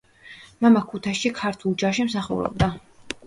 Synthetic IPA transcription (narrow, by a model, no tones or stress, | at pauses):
mamakʰut̪ʰaʃikʰaɾt̪ʰulˠd͡ʒaʃimsaχṵɾɔ̰b̚d̪a